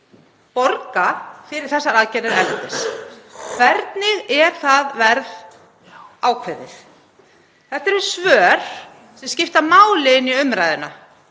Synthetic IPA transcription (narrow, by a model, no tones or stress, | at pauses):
pɔɾkafɪɾɪɾ̥θɛsːaɾaðcɛɾɪɾɛlt̪ɪskʰv̥ɛɾt̪nɪɣɛɾ̥θaðvɛɾð | aːwkʰvɛðɪ̰θ | θɛht̪ɛɾɛsvœːɾ̥ | sɛmscɪft̪amaːwlɪɪniʏmɾaːjðɪna